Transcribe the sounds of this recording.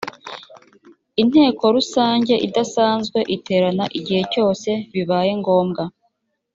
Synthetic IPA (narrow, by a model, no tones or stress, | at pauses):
in̥he̞ːko̞ɾusaːɲɟe̞ʔidasaːnzɡwe̞ʔitʰe̞ːɾanaʔiɟihe̞co̞ːse̞βiβaːje̞ŋɡo̞ːmɡa